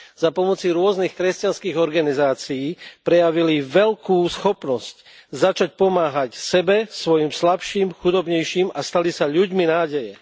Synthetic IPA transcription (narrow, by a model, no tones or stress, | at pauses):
z̥apɔmɔt͡siɾʊɔznixkɾɛscanskiːɣɔɾɡanizaːt͡sijiːpɾɛjaʋiliʋɛʎkuːsxɔpnɔsc | zat͡ʃac̚pɔmaːɦacsɛbɛsʋɔjiːmslapʃiːmxud̪ɔbɲɛjʃiːmast̪alisaʎuɟminaːɟɛjɛ